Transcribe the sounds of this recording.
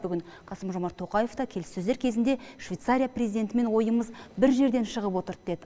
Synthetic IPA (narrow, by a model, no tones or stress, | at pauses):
bʏɡʲɪŋ | qʰɑsəmʒo̞mɑɾt̪ʰːo̞qɑje̞ft̪ɑkʲʰe̞lɪsːɵzeɾkʲʰe̞zɪnd̪e̞ʃv̥ʲejt̪saɾʲijaprʲezijd̪e̞nt̪ɪme̞nwo̞jəməzbɪɾʒe̞ɾd̪e̞nʃəʁəpwo̞t̪əɾd̪e̞d̪ɪ